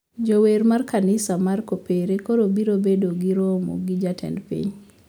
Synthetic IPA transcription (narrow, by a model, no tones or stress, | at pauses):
d͡ʒowermarkanɪsamarkopeɾekoɾobiɾobedoɡiɾɔmo̰ɡid͡ʒatʰɛ̰ndpḭɲ